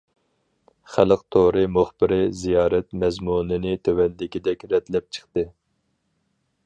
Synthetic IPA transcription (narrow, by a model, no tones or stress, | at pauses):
χælɨqt̪ʰoɾɨmoχbɪɾɪzijɑːɾɛt̪mɛzmunɨnɪt̪ʰøwɛld̪ɪkʲid̪ɛkʲɾɛt̪lɛp̚t͡ʃʰə̥χt̪ɨ